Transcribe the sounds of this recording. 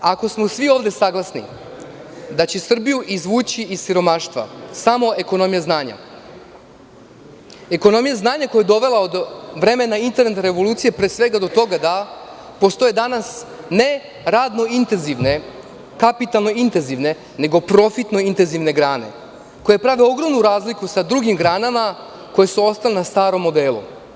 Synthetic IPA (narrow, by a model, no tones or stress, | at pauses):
ako̞smo̞sʋio̞ːʋd̪e̞saɡlˠasnḭ | d̪at͡ɕesr̩bijuʔizʋuːt͡ɕiissiɾo̞maʃt̪ʋa̰samo̞e̞ko̞no̞mijaznaːɲa̰ | e̞ko̞no̞mijaznaːɲako̞jeed̪o̞ʋe̞lao̞d̪ʋɾe̞me̞naint̪e̞ɾnet̪aɾe̞ʋo̞lˠuːt̪sije̞pɾesʋe̞ɡad̪o̞t̪o̞ɡad̪a | po̞st̪o̞jed̪anas | ne̞ | ɾaːd̪no̞int̪enziʋne | kapit̪alˠno̞int̪e̞nziʋne̞ | ne̞ɡo̞pɾo̞fit̪no̞int̪e̞nziʋne̞ɡɾaːne̞̰ | ko̞jepɾaʋio̞ɡɾo̞mnuɾaːzlikusad̪ɾuɡimɡɾaːnama | ko̞je̞suo̞st̪alenast̪aːɾo̞mːo̞d̪e̞ːlṵ